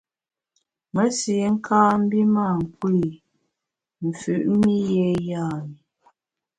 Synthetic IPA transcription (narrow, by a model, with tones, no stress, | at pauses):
mə˦si˨˦ŋ̩˦kʰaː˦m̩˦bi˦ma˦˨ŋ̩˨kwi˦˨ | m̩˨fʉ˨ʔmi˦jɛ˦jaː˦˨ni˨